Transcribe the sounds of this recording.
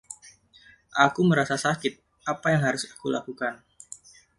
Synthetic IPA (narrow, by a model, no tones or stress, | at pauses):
ʔakuməɾasasakɪt̪̚ | ʔapajaŋɦaɾʊsḁkula̰kukan